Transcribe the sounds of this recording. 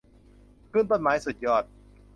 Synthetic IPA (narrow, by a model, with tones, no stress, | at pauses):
kʰɾɯː˥˩npo˨˩maː˩˦jsu˨˩t̪̚jɔː˧˩t̪̚